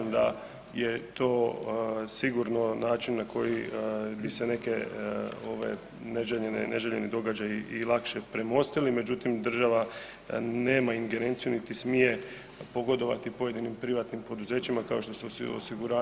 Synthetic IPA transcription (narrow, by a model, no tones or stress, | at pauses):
md̪a | je̞t̪o̞ː | siɡuɾnonaːt͡ʃinːakʰo̞jibise̞ne̞keoʋe̞̰ | neʒeʎenḛne̞̰ʒeʎe̞nid̪o̞ɡad͡ʑajiʔilˠakʃepɾe̞mo̞st̪ilime̞d͡ʑut̪imd̪r̩ʒaʋa | ne̞ːmaiŋɡe̞ɾe̞ːnt̪sijunit̪ismije̞ | po̞ɡo̞d̪o̞ʋa̰t̪ipo̞je̞d̪inimpɾiʋat̪nimpo̞d̪uze̞ːt͡ɕimakao̞ʃt̪o̞seoso̰siɡuɾaː